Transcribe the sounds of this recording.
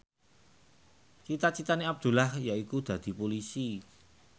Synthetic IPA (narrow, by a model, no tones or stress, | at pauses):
t͡ʃit̪at͡ʃit̪aneab̚d̪̥ṳlahjaikud̪̥ä̤d̪̥i̤polisi